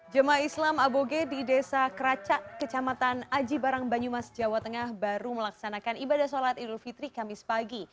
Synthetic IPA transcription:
d͡ʒəmaislamaboɡedidesakəɾat͡ʃaʔkət͡ʃamat̪anad͡ʒibaɾaŋbaɲumasəd͡ʒawat̪əŋahbaɾuməlaksanakanibadahsalat̪idurfit̪ɾikamɪspaɡi

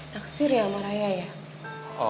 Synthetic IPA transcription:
naksiɾjamaɾajaja

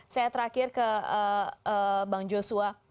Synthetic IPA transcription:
sajat̪əɾakɪrkəəəbaŋd͡ʒosua

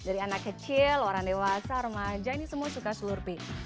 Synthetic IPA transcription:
daɾianakːət͡ʃiloɾaŋdewasaɾumad͡ʒainisəmuasukasulurpi

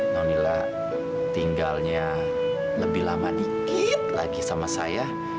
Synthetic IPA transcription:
nanila | t̪iŋɡalɲa | ləbɪhlamadikit̪̚laɡisamasa̰ja

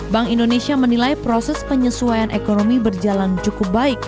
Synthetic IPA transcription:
baŋindonesiamənilajpɾosɛspəɲəsuajanʔekonomibərd͡ʒalant͡ʃukup̚baɪk̚

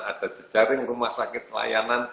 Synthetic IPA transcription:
ad̥ad͡ʒ̥ə̥d͡ʒ̥aɾɪŋɾumahsakɪt̪̚la̰janan

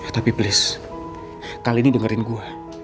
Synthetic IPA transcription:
t̪apiblɪs | kaliːnidəŋəɾɪnɡua

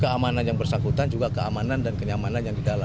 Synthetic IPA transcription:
kəamananjaŋbərsaŋkut̪and͡ʒuɡakəamanandankəɲamananjaŋdidalam

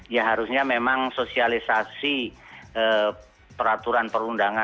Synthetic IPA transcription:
jaɦaɾusɲamemaŋsosialisasi | ə | pəɾat̪uɾanpəɾundaŋa

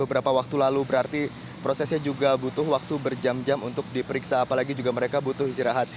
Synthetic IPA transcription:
bəbəɾapawak̚t̪ulalubəɾart̪i | pɾosɛsɲad͡ʒuɡabut̪ʊhwak̚t̪ubərd͡ʒamd͡ʒamunt̪ʊk̚dipəɾiksaːpalaɡid͡ʒuɡaməɾekabut̪ʊhist̪iɾaɦat̪̚

